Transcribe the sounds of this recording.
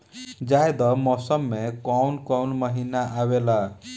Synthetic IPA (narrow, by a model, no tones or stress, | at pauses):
d͡ʒajd̪ɔmɔsəmːekɔwnkɔwnməɦinaʔawela